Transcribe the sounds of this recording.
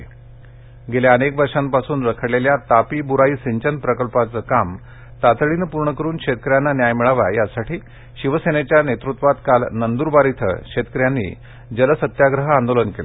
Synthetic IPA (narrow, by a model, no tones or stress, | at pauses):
ɡeljaənekʋəɾʂampasuːnɾəkʰəɽleljat̪apiːbuɾaiːsiɲt͡ɕənpɾəkəlpat͡səkam | t̪at̪ɭinəpuɾɳəkəɾuːnkʂet̪əkəɾjanːanjajmiɭaʋa̰jasaʈʰiː | ɕiʋəsenet͡ɕjanet̪ɾut̪ʋat̪kalnənd̪uːɾbaɾit̪ʰə̰kʂet̪kəɾjanːḭː | d͡ʑələsət̪jaɡɾəɦəand̪olənkelḛ